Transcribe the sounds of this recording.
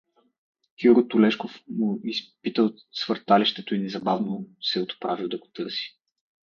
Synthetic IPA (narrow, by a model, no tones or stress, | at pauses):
xʲuɾot̪ʊlɛʃkofmuispit̪əl | svəɾt̪aliʃt̪ɛt̪oinɛzɐbavnosɛot̪pɾavilˠd̪ɐɡot̪ɤɾsi̥